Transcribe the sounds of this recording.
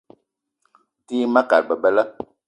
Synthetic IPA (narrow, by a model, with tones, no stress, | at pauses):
tiː˦ma˦ka̰˨ɾ̚bə˨bə˦lə˦